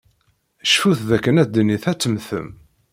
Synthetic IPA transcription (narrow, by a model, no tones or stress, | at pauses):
ʃfuθðækːənæd̪niθæt͡sːəmθə̰m